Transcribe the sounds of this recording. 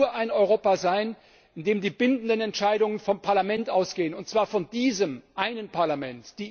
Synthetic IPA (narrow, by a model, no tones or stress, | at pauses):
uːɐʔaɪnɔʏʁ̞oːpazaɪn | ʔɪndeːmdiːbɪndn̩dənɛntʃaɪdʊŋənfɔmpʰaɐlamɛntʔaʊsɡ̥eːənʊntt͡sv̥aːɐfɔndiːzəmʔaɪnənpʰaɐlamɛntd̥iː